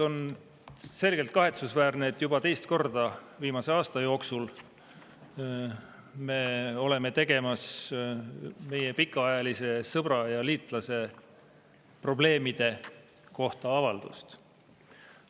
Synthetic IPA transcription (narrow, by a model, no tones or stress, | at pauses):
o̞n | se̞lɡ̥elt̪̚kɑɦe̞t̪susvæːrneːt̪ːˑjub̥ɑt̪e̞jst̪ko̞rd̪̥ɑ | viːmɑse̞ɑːst̪ɑjo̞ːksul | me̞o̞le̞me̞t̪e̞ɡ̥e̞mɑs | me̞jepikːˑɑɑjɑlise̞sɤb̥rɑjɑliːt̪ˑlɑse̞ | pro̞ble̞ːmid̪̥e̞ | ko̞ht̪ɑɑvɑld̪̥ṵst̪